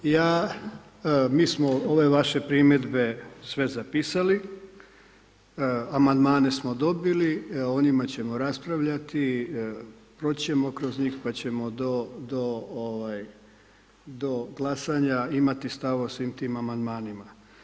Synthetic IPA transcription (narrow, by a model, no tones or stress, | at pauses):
jaː | miːsmo̞o̞ʋe̞ʋaʃe̞pɾime̞d̪be̞sʋe̞zapiːsali | amand̪maːne̞smo̞d̪o̞bilio̞nimat͡ɕe̞mo̞ɾaspɾaʋʎat̪i | pɾo̞t͡ɕe̞mo̞kɾo̞zɲiːxpat͡ɕe̞mo̞d̪od̪ooʋaj | d̪o̞ɡlˠasaɲaimat̪ist̪aʋosʋiːmt̪iːmamand̪maːnima